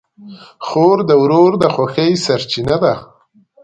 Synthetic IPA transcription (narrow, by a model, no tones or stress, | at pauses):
xoɾd̪əwɾoɾd̪əxwaxəjsaɾt͡ʃinad̪a